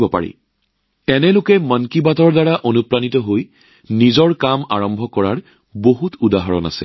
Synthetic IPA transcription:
bɔpa̰ɹḭ | ɛnɛlokɛmənkibatɔɹdaɹaʔonupɹanitɔɦoj | nizɔɹkama̰ɹɔmbʱɔkɔɹaɹ | boɦutudaɦɔɹɔ̰na̰sɛ̰

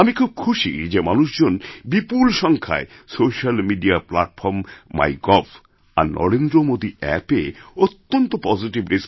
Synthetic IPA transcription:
amikʰub̚kʰuʃḭd͡ʑemanuʃd͡ʑonbipulʃɔŋkʰa̰e | soʃalmiɖiaplaʈfʰɔɾmːa̰jɡɔf | a̰ɾnɔ̰ɾend̪ɾomod̪iʔɛ̰peot̪ːont̪opɔziʈibɾes

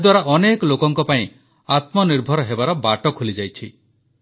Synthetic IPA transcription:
d̪waɾaʔɔnekɔlokɔŋkɔpaĩ | at̪mɔniɾbʱɔɾɔɦebaɾɔbaʈɔkʰulid͡ʒajt͡ʃʰi

